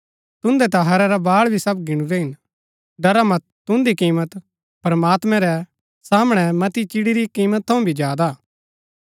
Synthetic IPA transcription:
t̪ʊ̃nd̪ɛt̪ɐɦɐɾɛɾabaːɭbʱisɐbɡɪɽ̃uɾɛɦɪn | ɖɐɾamɐt̪t̪ːʊ̃nd̪ikiːmət̪ | pɐɾɐmaːt̪mɛ̃ɾɛ | saːmɽ̃ɛmɐt̪it͡ʃɪɽiɾikiːmət̪̚ʰːɐ̃ũbʱid͡ʒjaːd̪a

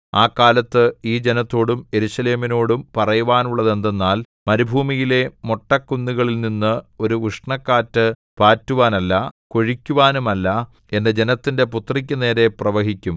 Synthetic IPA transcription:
aːkːaːlɐt̪ːɨiːd͡ʑe̞nɐt̪ːo̞ːɽume̞ɾuɕɐle̞ːmino̞ːɽumpɐrɐjuʋaːnuɭːɐðe̞nd̪e̞nːaːl | mɐɾubʱuːmijile̞mo̞ʈːɐkːunːiɣɐɭilninːɨo̞ɾuʋuʂɳɐkːaːtːɨ | paːtːuʋaːnɐlːɐko̞ɻikʲːuʋaːnumɐlːɐ | e̞ndɐd͡ʑe̞nɐt̪ːinde̞put̪rik̬ʲːɨne̞ːɾe̞prɐʋɐɦikʲːum

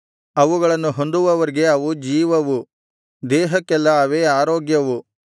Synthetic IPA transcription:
ɐʋuɡɐɭɐnːuɦo̞nd̪uʋɐʋɐɾiɡe̞ɐʋud͡ʒiːʋɐʋu | d̪ɛːɦɐkːɛlːɐːʋeːaːɾoːɡjɐʋu

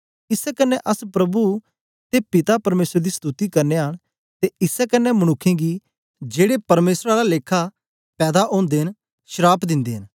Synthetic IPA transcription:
ɪsɛkɐnːɛ̃ʔəspɾɐbu | t̪epɪt̪apɐɾmeːsɾd̪iːst̪ut̪ikɐɾneɦəɽ̃ | t̪eɪsɛkɐnːɛməɽ̃ʊkʰːẽːɡiː | d͡ʒeːɽepɐɾmeːsɾaːɾaleːkʰa | pɛːd̪aʔõːnd̪eːɦən | ʃəɾaːpʰd̪ɪ̃nd̪eːɦɪn

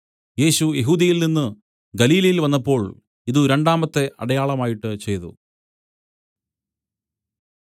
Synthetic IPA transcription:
je̞ːɕujeɦuːd̪ɐjilninːɨ | ɡɐliːlɐjilʋɐnːɐpːo̞ːɭ | iðuɾe̞ɳɖaːmɐt̪ːe̞ʔɐ̰ɽɐjaːɭɐmaːjiʈːɨt͡ɕe̞jt̪ṵ

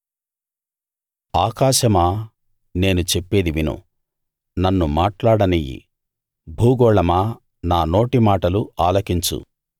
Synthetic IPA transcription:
aːkaːʃɐmaː | ne̞ːnut͡ʃe̞pːe̞ːd̪iʋinṵ | nɐnːumaːʈlaːɽɐnijḭ | bʱuːɡɔːɭɐmaː | naːno̞ːʈimaːʈɐluaːlɐkiɲt͡ʃṵ

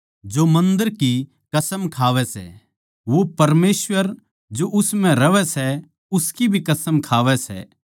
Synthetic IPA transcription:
d͡ʒomɐ̃nd̪əɾki | kɐsəmkʰaːʋɛsɛ̰ | ʋopɐɾmeːsʋəɾ | d͡ʒoʔʊsmɛ̃ɾɐʋɛsɛ | ʊskibʱikɐsəmkʰaːʋɛsɛ̰ː

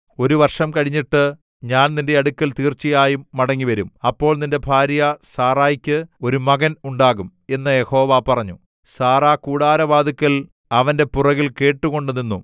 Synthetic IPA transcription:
o̞ɾuʋɐrʂɐmkɐɻiɲːiʈːɨ | ɲaːnninde̞ɐɽukːɐlt̪iːrt͡ɕːijaːjumːɐɽɐŋːiʋɐɾumɐpːo̞ːɭninde̞bʱaːɾjɐsaːraːjkʲːɨo̞ɾumɐɣɐnuɳɖaːɣum | e̞nːɨje̞ho̞ːʋapɐrɐɲːu | saːraːkuːɽaːɾɐʋaːd̪ikʲːɐl | ɐʋɐnde̞purɐɣilke̞ːʈːuɣo̞ɳɖɨninːu

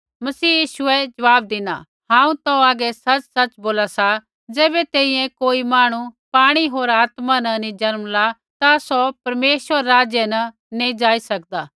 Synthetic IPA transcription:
mɐsiːjiːʃʊɛd͡ʒɐʋaːb̚d̪ɪna̰ | ɦãːũt̪ɐ̃aːɡɛsɐt͡ʃsɐt͡ʃboːlasa | d͡zɛːbɛt̪eːĩjɛ̃koːimaːɽ̃upaːɽ̃iɦoːɾaːt̪manɐnĩd͡ʒɐɾmla | t̪asɔpɐɾmeːʃʋəɾːaːd͡ʒjənɐ | nẽd͡ʒaːisɐk̚d̪aː

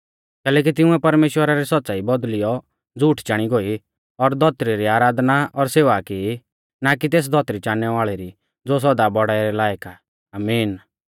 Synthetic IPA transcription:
kɛːlɛːk̬it̪ɪʊ̃ɛpɐɾmeːʃwəɾaɾɛsɐt̪ːsaːibɔd̪lɪjɔ | d͡zuːʈʰt͡ʃaːɽ̃iɡoi | ɔɾd̪ʱɔt̪ɾiɾiaːɾaːd̪naɔɾseːʋaki | nak̬it̪eːs̬d̪ʱɔt̪ɾit͡ʃaːnɛʋaːɭɛɾi | d͡zos̬ɔd̪abɔɽaːɛɾɛlaːjəka | aːmiːn

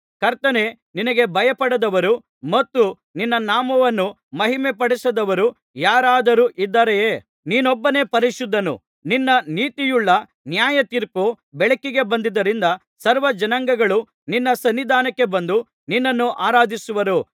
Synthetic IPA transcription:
kɐɾt̪ɐne̞ | ninɐɡe̞bʱɐjɐpɐɽɐd̪ɐʋɐɾu | mɐt̪ːu | ninːɐnaːmɐʋɐnːu | mɐɦimepɐɽisɐd̪ɐʋɐɾu | jaːɾaːd̪ɐɾuʔid̪ːɐɾejeː | niːnɔbːɐne̞ːpɐɾiʃud̪ʱːɐnṵ | ninːɐniːt̪ijuɭːɐ | njaːjɐt̪iɾpu | bɛɭɐkːiɡe̞bɐnd̪id̪ːɐɾind̪ɐ | sɐɾʋɐd͡ʒɐnɐŋɡɐɡɐɭu | ninːɐsɐnːid̪ʱaːnɐkːe̞bɐnd̪u | ninːɐnːuʔaːɾaːd̪ʱisuʋɐɾu

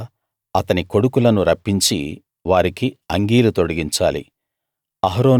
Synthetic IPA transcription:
ɐt̪ɐniko̞ɽukulɐnuɾɐpːiɲt͡ʃḭ | ʋaːɾikiɐŋɡiːlut̪o̞ɽɐɡiɲt͡ʃaːlḭ | ɐɦɾoː

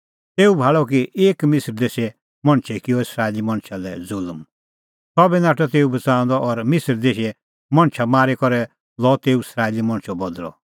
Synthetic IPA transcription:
t̪eːubʱaːɭɔkiʔeːkmɪsəɾd̪eːʃɛ | mɐ̃ɳ̃t͡ʃʰɛkɪjɔɪsɾaːelimɐ̃ɳ̃t͡ʃʰalɛd͡zʊlm | sɔbɛnaːʈɔt̪eːubɐt͡sãːɔ̃nd̪ɔʔɔɾmɪsəɾd̪eːʃɛ | mɐ̃ɽ̃t͡ʃʰamaːɾekɔɾɛ | lɔt̪eːuɪsɾaːelimɐ̃ñt͡ʃʰɔbɔd̪ɾɔ̰

